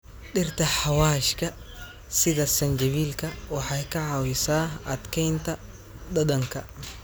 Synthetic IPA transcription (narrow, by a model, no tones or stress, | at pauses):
ɗɪrt̪ʰɐħɑwaːʃkʰɐ | sɪðɐsɐnd͡ʒɐβiːlkʰɐwɑħɑjkʰɐʕɑwɪsaːʔɐd̪kʰɛjnt̪ʰɐ | d̪ɐd̪ɐŋkʰɐ̰